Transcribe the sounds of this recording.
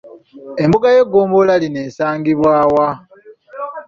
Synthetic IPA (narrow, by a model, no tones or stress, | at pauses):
embuɡaje̞ɡːoːmbolaline̞ːsaːŋɡiβwaːwa